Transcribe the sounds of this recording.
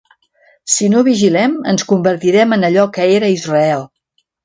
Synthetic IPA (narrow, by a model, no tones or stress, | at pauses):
sinoβiʒilɛmə̰nskumbəɾt̪iɾɛmənəʎɔkəeɾəizrəɛlˠ